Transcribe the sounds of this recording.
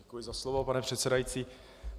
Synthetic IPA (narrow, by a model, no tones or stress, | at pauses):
ɛkujɪzaslovopanɛpr̥ɛt̪sɛdajit͡siː